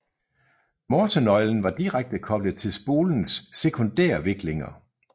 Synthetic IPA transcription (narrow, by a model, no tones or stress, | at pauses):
mɒːt͡sʰonɒ̽ɪln̩ʋɑ̈d̥iʁaɡ̥̚d̥əkʰɒ̽b̥ləðˠt͡sʰe̝lsb̥o̝̰ːln̩sːe̝kʰo̝nd̥æɐʋe̝ɡ̥le̝ŋɐ̰